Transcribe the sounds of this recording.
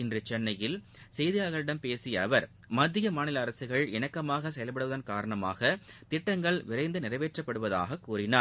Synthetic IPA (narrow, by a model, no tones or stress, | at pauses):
ɪndrɯt͡ʃɛnːɐjɪl | sɛjðɪjaːɣɐɭɪɽɐmpeːsɪjɐːʋɐɾ | mɐd̪ːɪjɐmaːnɪlɐːɾɐsɯɣɐɭɛnɐkːɐmaːɣɐsɛjɐlpɐɽɯʋɐðɐnkaːɾɐɳɐma̰ːɣɐt̪ɪʈːɐŋɡɐɭʋɪɾɐɪnd̪ɯnɪrɐʋeːʈrɐpːɐɽɯʋɐða̰ːɣɐkːuːrɪnaː